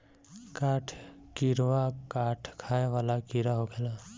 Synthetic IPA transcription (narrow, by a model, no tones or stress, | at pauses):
kaːʈʰkiɾʋakaːʈʰkʰaːeʋaːlakiɾaɦokʰɛlaː